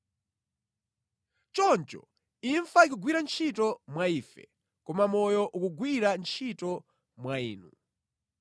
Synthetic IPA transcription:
t͡ʃɔnt͡ʃɔ̰ | iɱfaikuɡwiɾant͡ʃʰitɔmwaifɛ̰ | kɔmamɔjɔʔukuɡwiɾant͡ʃʰitɔ | mwaḭːnu

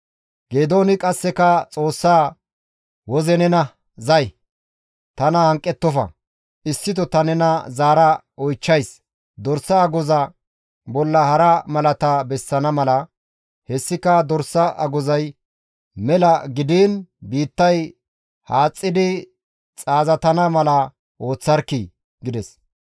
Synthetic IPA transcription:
ɡ̥eːd̪o̞ːnɪkʼɐsːɛkɐt͡sʼo̞ːsːaː | wɔzɛnɛnɐ | zɐj | t̪ɐnɐhɐŋkʼːɛt̪ːɔfɐ̰ | ɪsːɪd̪ɔt̪ɐnɛnɐzaːɾɐ | ɔjt͡ʃːɐjs | d̪ɔɾsːɐːɡɔzɐ | bɔlːɐhɐɾɐmɐlɐt̪ɐbɛsːɐnɐmɐlɐ | hɛsːɪkɐd̪ɔɾsɐʔɐ̰ɡɔzɐj | mɛlɐɡɪd̪iːnbiːt̪ːɐj | haːt͡sʼːɪd̪ɪ | t͡sʼaːzɐt̪ɐnɐmɐlɐ | ʔo̞ːt͡sːɐɾkːɪ | ɡɪd̪ɛs

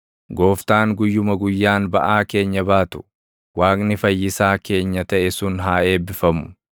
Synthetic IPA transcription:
ɡo̞ːft̪aːŋɡʊjːʊmɐɡʊjːaːnbɐʔaːke̞ːɲːɐbaːt̪ʊ̥ | waːkʼnɪfɐjːɪsaːke̞ːɲːɐt̪ɐʔɛsʊnɦaːe̞ːbɪfɐmʊ̥

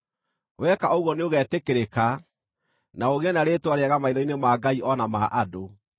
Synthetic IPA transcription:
wɛkaoɣwɔneoɣɛːtekeɾeka | naoɣeɛnaɾeːtwaɾeaɣamaiɾɔinemaːɡaiʔɔnamaʔado

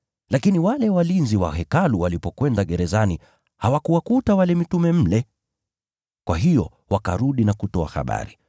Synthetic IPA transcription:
lakiniwalɛwalinziwa̰hɛkaluwalipɔkwɛndaɠɛɾɛzani | hawakuwakutawalɛmitumɛm̩lɛ | kwaɦijɔ | waka̰ɾuɗinakutɔa̰ha̰ɓa̰ɾi

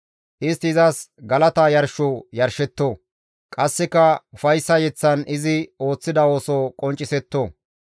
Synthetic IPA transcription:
ʔɪst̪ːɪɪzɐsɡɐlɐt̪ɐjɐɾʃoːjɐɾʃɛt̪ːoː | kʼɐsːɪkɐʊfɐjsːɐjɛt͡sːɐnɪzɪo̞ːt͡sːɪd̪ɐo̞ːsɔkʼɔnt͡ʃʼːɪsɛt̪ːoː

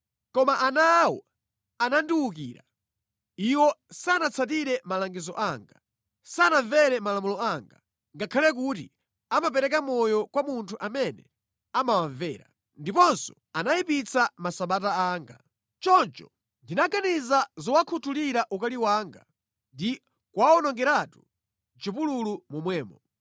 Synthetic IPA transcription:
kɔmaʔanawɔ̰ | anandiwuk̬ḭːɾa | iwɔsanat͡sʰat̬iɾɛmalaŋɡizɔʔaːŋɡa | sanavɛɾɛmalamulɔaːŋɡa | ŋɡakʰalɛk̬uːtḭ | amapɛɾɛkamɔjɔkwamuntʰuʔamɛnɛ | amawaɱvɛːɾa̰ | ndipɔnsɔ̥ | anaipit͡samasaɓataaːŋɡa | t͡ʃɔnt͡ʃɔ̥̰ | ndinaɡanizazɔwakʰutʰuliɾaʔukaliwaːŋɡa | ndi | kwaɔnɔŋɡɛɾatu | t͡ʃipululumumwɛːmɔ

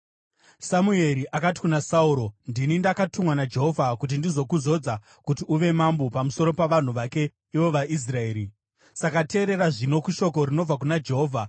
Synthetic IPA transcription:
samue̞ɾiʔakati̥kunasauɾo̞ndinindakatumwanad͡ʒe̞ɦo̞vʱakut̬indizo̞kuzo̞d͡za | kutiuʋe̞mambopamuso̞ɾo̞paʋan̤uʋake̞ | iʋo̞ʋaʔis̬rae̞ːɾi | sakate̞ːɾe̞ɾaʐino̞kuʃo̞ko̞ɾino̞b͡vak̬unad͡ʒeɦo̞ːvʱa

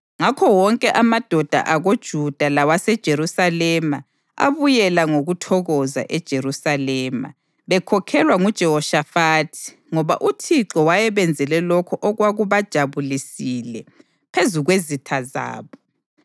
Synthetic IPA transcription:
ŋakʰɔwɔŋkʼɛʔamad̥ʱɔd̥ʱa̰ʔaɣod̥ʒ̥ʱud̥ʱalawasɛd̥ʒ̥ʱeɾusalɛma | a̰βujɛlaŋoɣutʰɔɣɔza̰ʔɛd̥ʒ̥ʱeɾusalɛːma̰ | βɛkʰɔkʰɛlwaŋud̥ʒ̥ʱɛhɔʃafaːtʰi̥ | ŋɔβa̰ʔutʰiǁɔwajɛβɛnd͡zʱɛlɛlɔkʰɔʔɔɣwaɣuβad̥ʒ̥ʱaβulisilɛ | pʰezuɣwezitʰaza̰ːβɔ

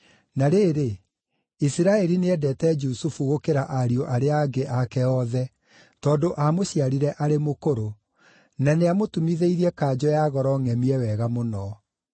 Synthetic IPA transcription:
naɾeːɾe | isiɾaɛɾineɛdɛtɛd͡ʒusufuɣokeɾaʔaɾioʔaɾeaɡeʔakɛɔðɛ | tɔːndoʔamoɕiaɾiɾɛʔaɾemokoɾo | naneamotumiðeiɾiɛkaːd͡ʑɔjaɣɔɾɔŋɛmiɛwɛɣamonɔ

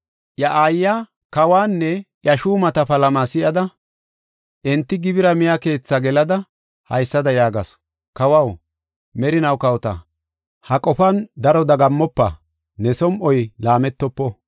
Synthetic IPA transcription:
jɐʔaːjːa | kɐwaːnːɛjɐʃuːmɐt̪ɐpɐlɐmaːsɪjɐd̪ɐ | ʔɛnt̪ːɪɡɪbɪɾɐmɪjake̞ːt͡sːaɡɛlɐd̪ɐ | hɐ̰jsːɐd̪ɐjaːɡɐ̰s | kɐwɐw | mɛɾɪnɐwkɐwt̪ɐ̰ | hɐkʼɔfɐnd̪ɐɾɔd̪ɐɡɐmːɔpːɐ̰ | nɛsɔmʔɔjlaːmɛt̪ːɔpːɔ

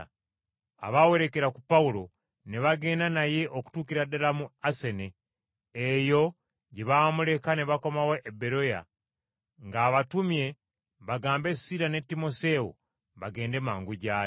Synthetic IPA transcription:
a̰βawe̞ɾe̞ke̞ɾakupaulo̞ | neβaɡe̞ːndanaje̞ʔoku̥tuːkiɾadalamuase̞neː | jo̞ | ɟeβamule̞kaneβako̞mawoʔebe̞ɾo̞ja̰ | ŋɡaːβatumje̞ | βaɡaːmbe̞siɾane̞tːimo̞se̞o | βaɡe̞ːnde̞maːŋɡuɟaːe

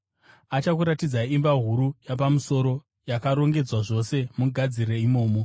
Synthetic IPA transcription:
at͡ʃakuɾatid͡zaimbaɦuɾujap̬amuso̞ɾo̞ | jakaɾo̞ŋɡe̞d͡zwaʐo̞se̞muɡʱad͡zireimo̞ːmo

